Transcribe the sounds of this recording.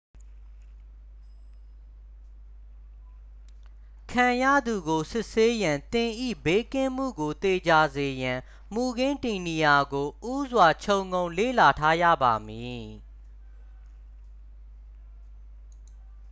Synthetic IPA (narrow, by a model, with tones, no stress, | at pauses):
kʰã˨jä̰˦˨d̪u˨ɡo˨sɪ˦ʔse˦jã˨nt̪ɪ̃˨ʔḭ˦˨be˦kɪ̃˦˨m̥ṵ˦˨ɡo˨t̪e˨d͡ʑa˨ze˨jã˨ | mu˨ɡɪ̃˦nti˨ni˨ja˨ɡo˨ʔu˦zwa˨t͡ɕʰõ˨ʊ̃ŋɡõ˨ʊ̃lḛ˦˨la˨tʰa˦jä̰˦˨ba˨mi˨